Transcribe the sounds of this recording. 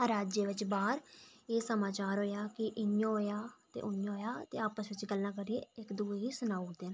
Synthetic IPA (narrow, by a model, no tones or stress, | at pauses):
əɾaːd͡ʒeːʋɪt͡ʃbaːɾeːsəmaːt͡ʃaːɾɦoːjaːkɪʔɪɲjõːɦoːjaːt̪ḛːʔʊnjõɦoːjaːt̪eːaːpəsʋɪt͡ʃɡəlːãːk̬əɾiḛːɪkd̪uːeːɦiːsʊnaːd̪eːn